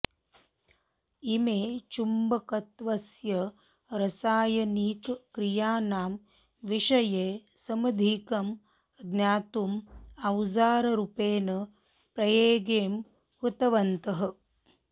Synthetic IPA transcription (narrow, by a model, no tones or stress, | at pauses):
imeːt͡ʃumbɐkɐt̪ʋɐsjɐ | ɾɐsaːjɐniːkkɾijaːnaːm | ʋiʂɐjeː | sɐmɐd̪ʱiːkɐm | ɡ̪njaːt̪umɐwzaːɾɐɾupeːnɐ | pɾɐjeːɡeːm | hut̪ɐʋɐnt̪ɐɦɐ̆